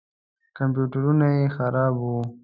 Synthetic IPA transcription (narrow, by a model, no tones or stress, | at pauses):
kamp̬juʈaɾunajexaɾɑbu